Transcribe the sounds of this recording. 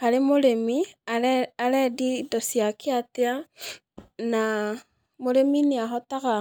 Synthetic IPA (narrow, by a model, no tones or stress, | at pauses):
kalemoɾemiaalɛdidosiakiatea | na | moɾeminiaɦɔtaɣa